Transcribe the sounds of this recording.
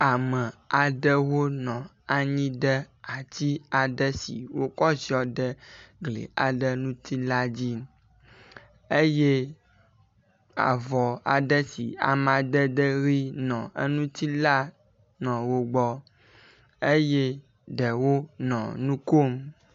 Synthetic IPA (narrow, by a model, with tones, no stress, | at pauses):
a˨mə̃˨a˨ɖə˦wo˦nɔ̃˨ | a˨ɲĩ˦ɖə˦a˨t̪i˦a˨ɖə˦sḭ˨wo˦kɔ˦si˦ɔ˨ɖə˦ɡlḛ˨a˨ɖə˦nũ˦t̪i˦la˦d͡ʑi˦ | e˦je˦ | a̰˨vɔ˨a̰˨ɖə˦sḭ˨a̰˨mã˨ɖə˦ɖə˦ɾi˦nɔ̃˨ḛ˦nũ˦t̪i˦la˦ | nɔ̃˨wo˦ɡ͡bɔ˦ | e˦je˦ | ɖə˨wo˦nɔ̰̃˨nũ˦ko˦m